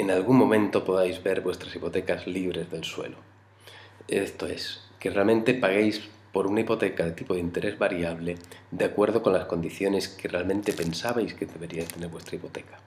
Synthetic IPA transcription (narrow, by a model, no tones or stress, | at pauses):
enalɣuŋmːõ̞mẽ̞nt̪o̞poðajzβe̞ɾβwe̞st̪ɾasipo̞t̪ekazliβ̞ɾe̞zðe̞lswe̞̰lo | est̪o̞eskerealmẽnt̪e̞paɣejs | po̞ɾunaipo̞t̪ekaðe̞t̪ipo̞ð̞int̪e̞ɾe̞zβaɾjaβleðeakwe̞ɾðo̞ko̞nlasko̞nd̪iθjo̞ne̞skerealmẽnt̪e̞pe̞nsaβajskeðeβe̞ɾiajst̪e̞ne̞ɾβwe̞st̪ɾaipot̪e̞kḁ